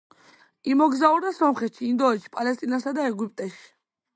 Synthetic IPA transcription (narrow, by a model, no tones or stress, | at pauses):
imɔɡzauɾd̪asɔmχɛt̪ʃiːnd̪ɔɛʃi̥pʼalɛs̬t̪ʼinasad̪aɛɡupʼt̪ʼɛʃi̥